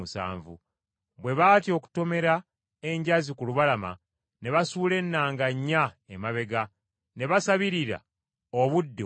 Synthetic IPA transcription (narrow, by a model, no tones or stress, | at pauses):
usa̰ːɱvṵ | βwe̞βaːtjo̞ːku̥to̞me̞ɾa | e̞ɲɟazikuluβalama̰ | ne̞βasuːle̞nːaːŋɡaɲːa | emaβe̞ɡa | ne̞βasaβiɾiɾa̰ | oβudːe